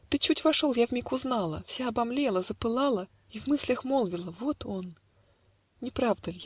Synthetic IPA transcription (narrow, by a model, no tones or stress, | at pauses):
t̪ɨt͡ɕutʲvɐʂolˠjavmʲikʊznalˠə̰fsʲaɐbɐmlʲelˠəzəpɨlˠalˠə | ivmɨsʲlʲəxmolˠvʲɪlˠəvo̞t̪ʰon | nʲɪpɾavd̪əlʲj